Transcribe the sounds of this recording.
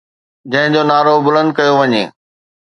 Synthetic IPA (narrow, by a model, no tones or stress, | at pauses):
d͡ʑɐ̃ɦɪ̃d͡ʑonaːɾobʊlə̃nd̪̚kɐjoʋɐɲḛː